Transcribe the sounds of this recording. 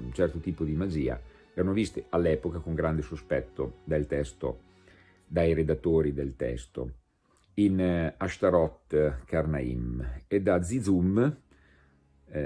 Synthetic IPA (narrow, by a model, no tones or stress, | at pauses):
t͡ʃɛrt̪ot̪iːpod̪imad͡ʒiːa̰ | eɾanovist̪ealːɛːpokakoŋɡɾand̪esospɛt̪ːod̪elt̪ɛst̪o̰ | d̪ajɾed̪at̪ːoːɾid̪elt̪ɛ̰st̪o̰ | inaʃt̪aɾɔt̪karnaḭmed̪ad̪zːid̪zum